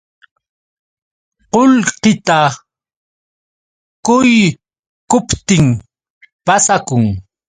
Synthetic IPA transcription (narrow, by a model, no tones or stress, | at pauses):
qolqɪt̪a | kʊj | kʊpt̪ɪŋ | pasakʊŋ